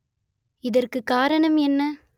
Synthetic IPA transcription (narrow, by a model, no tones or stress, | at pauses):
ɪðɐrkɯkːaːɾɐɳɐmɛnːɐ